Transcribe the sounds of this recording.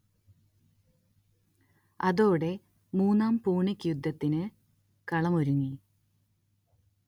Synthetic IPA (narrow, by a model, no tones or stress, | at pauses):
ɐðo̞ːɽe̞ | muːnːaːmpuːɳɐkʲːjud̪ʱːɐt̪ːinɨ | kɐɭɐmoɾuŋːi